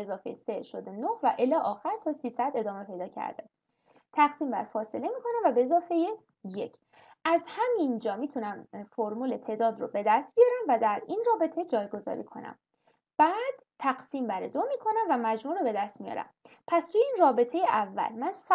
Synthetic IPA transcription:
ezɒːfejeseʃod̪enohvæʔelɒʔɒːxæɾt̪ʰɒːsiːsæd̪e̞d̪ɒːme̞pʰe̞jd̪ɒːcʰæ̰ɾd̪̥æ̰n | t̪ʰæɣsiːmbæ̰ɾfɒːse̞le̞miːkʰo̞næmvæbeezɒːfe̞je | jḛcʰ | ʔæzhæmind͡ʒɒːmit̪ʰunæmfoɾmuːlet̪ʰe̞ːd̪ɒːd̪ɾobe̞d̪æst̪̚bijɒːɾæmvæd̪æɾinrɒːbe̞t̪ʰe̞d͡ʒɒːjɡo̞zɒ̰ːɾḭkʰo̞̰næ̰m | b̥æːd̪̥t̪ʰːæɡsiːmbæɾed̪omiːkʰo̞næmvæmæd͡ʒmuːɾobe̞d̪æst̪mijɒ̰ɾæ̰m | pʰæst̪ʰujeinrɒːbe̞t̪ʰe̞jeʔævːæ̰lmæns

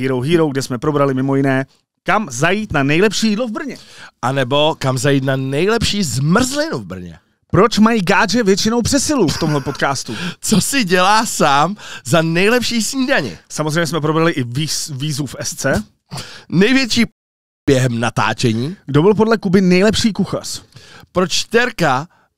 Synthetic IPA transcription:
iːɾowɦiːɾowɡ̚dɛsmɛpɾo̞bɾalɪmɪmo̞jɪnɛː | kamzajiːt̪nanɛjlɛpʃiːjiːdlo̞vbr̩ɲɛʔanɛbo̞kamzajiːt̪nanɛjlɛpʃiːzmr̩zlɪnuvbr̩ɲɛ̰ | pɾo̞t͡ʃmajiːɡaːd͡ʒɛvjɛt͡ʃɪno̞wpr̥ɛsɪluft̪omɦlɛpo̞t̪kaːst̪ut͡sosɪɟɛlaːsaːmzanɛjlɛpʃiːsɲidaɲɪ̰samozrɛjɲɛsmɛp̬ɾobɾalɪʔɪviːzufʔɛst͡sɛ | nɛjvjɛt͡ʃiː | b̥jɛɦɛmnat̪a̰ːt͡ʃɛɲiːɡdobɪlp̬odlɛkubɪnɛjlɛpʃiːkuxa̰r̥pɾot͡ʃt̪ɛɾka

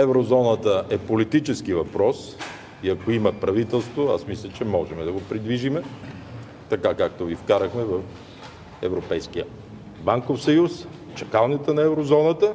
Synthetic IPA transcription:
ɛvɾozɔnət̪əʔɛpolit̪it͡ʃɛskivɐpɾɔs | iɐkoimɐpɾɐvit̪ɛlˠst̪voa̰smislʲət͡ʃɛmɔʒɛmɛd̪ɐɡopɾid̪viʒimɛ | t̪ɐkakak̚t̪ovifkaɾəxmɛvɐf | ɛ̰vɾopɛjskijə | baŋkofsɐjus | t͡ʃɐkalˠnit̪ənɐɛvɾozɔnət̪ə

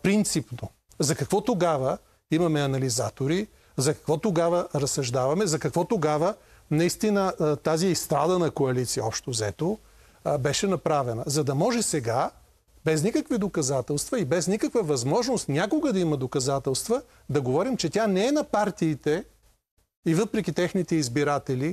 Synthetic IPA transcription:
pɾint̪sipno | zɐkɐkvɔt̪oɡavə | imɐmɛɐnɐliza̰t̪oɾi | zɐkɐ̥kvɔt̪oɡavɐɾɐsɐʒd̪avɐmɛzɐkɐkvɔt̪oɡavə | nɐist̪inət̪aziɛist̪ɾad̪ɐnɐkoɐlit̪siəɔpʃt̪ozɛt̪o | bɛʃɛnɐpɾavɛnɐzɐd̪ɐmɔʒɛsɛɡa | bɛznikəkvid̪okɐzat̪ɛlˠst̪vɐibɛznikəkvəvɐzmɔʒnost̪nʲakoɡəd̪ɐimɐd̪okɐzat̪ɛlˠst̪və | d̪ɐɡovɔɾimt͡ʃɛt̪ʲanɛɛnɐpaɾt̪iːt̪ɛ | ivɤpɾɛkʲit̪ɛxnit̪ɛizbiɾat̪ɛli

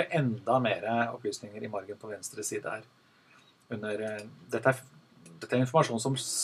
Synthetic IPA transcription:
əʔɛnd̪ɑmeːɾəɔ̰pʰlyːsnɪŋəɾɪmɔɾɡənpʰɔʋɛnst̪ɾəsiːd̪ə̰hæ̰ːɾ | ʉnːəɾd̪ɛt̪ːəæɾ | d̪ɛt̪ːæɾɪnfɔɾmɑʂuːnsɔm

